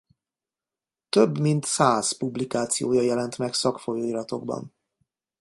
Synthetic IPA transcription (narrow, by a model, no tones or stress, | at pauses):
t̪øbmint̪saːz̥publikaːt̪sijoːjɒjɛlɛnt̪mɛksɒkfo̞joːiɾɒt̪o̞̰ɡbɒ̰n